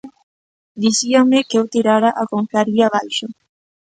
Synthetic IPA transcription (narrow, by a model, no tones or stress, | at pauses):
d̪isiaŋmekewt̪iɾaɾaʔakoɱfɾaɾʎiaβajʃo